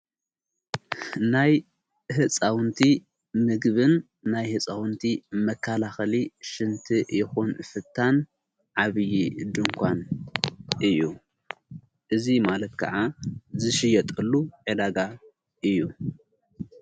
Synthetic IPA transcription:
naj | ɦɨt͡sʼawnt̪ʰi | mɨɡβɨnː | ajhɨt͡sʼawɨnt̪ʰimɐkʰːalaxɐliʃɨnt̪ʰɨjɪxunfɨt̪ʰːan | ʕaβɨjid̪ɨŋkʷʰan | ʔɨjːu | ʔɨzimalɐt̪̚kʰɐ̰ʕazɨʃɨjɐt̪ʼɨlːuʕɨd̪aɡa | ʔɨjːu

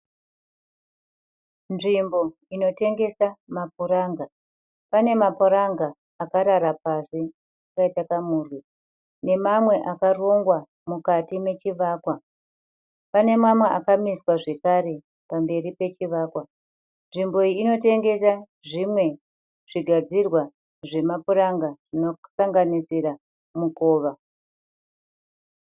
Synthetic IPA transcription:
nʐimbo̞ | ino̞te̞ŋɡe̞samap̚uɾaːŋɡa | pane̞mapoɾaŋɡaː | kaɾaɾapasi | akaitakamuːrwi | ne̞mamwe̞ʔakaro̞ŋɡwa | mukatime̞t͡ʃiʋaːkwa | pane̞mamweakamiswaʐe̞kaɾe̞ | pambe̞ripe̞t͡ʃiʋaːkwa | nʐimbo̞iːno̞te̞ŋɡe̞sa | ʐimwe̞ | ʐ̥iɡʱad͡zirwa | ʐe̞mapuɾaŋɡaʐ̥ino̞saŋɡanisira | muko̞ːʋa

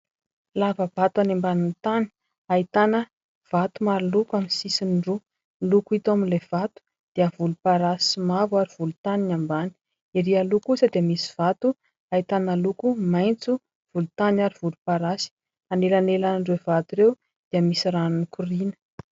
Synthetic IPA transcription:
lavəbat̪uanembanint̪ani̥ | ait̪anə | v̥at̪umaɾilukaminsisinɖ͡ʐu | lukuit̪aminlev̥at̪u̥ | d̪̥iəvulupaɾasimavwaɾiv̥ulut̪aninambani̥ | iɾialukusəd̪iəmisi̥v̥at̪u | ait̪analukumajnt͡su | v̥ulut̪anaɾiv̥ulupaɾasi̥ | anelanelanɳɖ͡ʐevat̪uɾew | d̪̥iəmisiɾanunikʰurinə̥

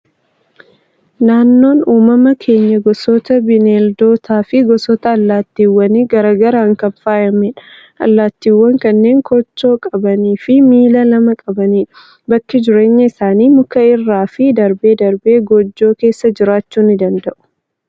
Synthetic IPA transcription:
naːnːo̞ːnuːmɐmɐkʰe̞ːɲːɐɡɔsɔt̪ɐbɪneːld̪o̞ːt̪ʰaːfɪɡɔsɔt̪ɐːlːaːt̪ːiːwːɐniɡɐɾaːɡɐɾɐɐŋkɐɱfaːjɐmɛᶑɐ̥ | ʔɐ̰lːaːt̪ːiːwːɐŋkɐnːe̞ːŋkʰɔt͡ʃːo̞ːkʼɐbɐniːfɪmiːlɐlɐmɐkʼɐbɐniː | bɐkːɪd͡ʒɪɾe̞ːɲːɐɪsaːniːmʊkɐɪrːaːfɪd̪ɐɾbe̞ːd̪ɐɾbe̞ːɡɔd͡ʒːo̞ːke̞ːsːɐd͡ʒɪɾaːt͡ʃːuːnɪd̪ɐnd̪ɐʔʊ̥

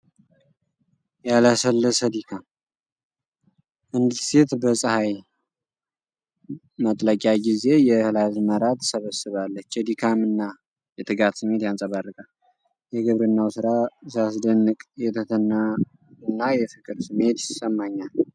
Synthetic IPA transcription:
jaləsəlːəsəd̪ikʰam | ʔɨnd̪ɨse̞t̪bəsʼɨhaj | mət̪ʼləkʼjaɡize̞jɛhɨlazməɾat̪səβəsɨβalːət͡ʃːɛd̪ikʰamɨnːa | jɛt̪ʰɨɡat̪sɨmːe̞t̪jansʼəβarːɨkʼal | jɛɡɨβɾɨnːawsɨɾasɨasd̪ənːɨkʼjɛt̪ʰət̪ʰənːa | ɨnːajɛfɨkʼɨɾsɨmːe̞t̪səmːaɲːal

